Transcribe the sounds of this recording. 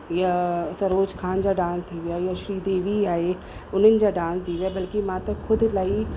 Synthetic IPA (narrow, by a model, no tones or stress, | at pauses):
jasɐɾoːd͡ʒkʰaːnd͡ʑaɖãːnst̪ʰiʋijajaʃɾiːd̪eːʋiaːe | ʊnənɪ̆d͡ʑaɖãːnsd̪iːʋjabɐlkimãːt̪ɐkʰʊd̪ʱlaːi